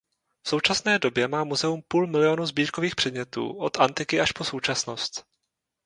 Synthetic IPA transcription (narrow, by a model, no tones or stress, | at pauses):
fso̞wt͡ʃasnɛːdo̞bjɛmaːmuzɛumpuːlmɪlɪo̞nuzbiːɾko̞viːxpr̝̥ɛdɲɛt̪ṵːʔo̞t̪ʔant̪ɪkɪʔaʃpo̞so̞wt͡ʃasno̞st̪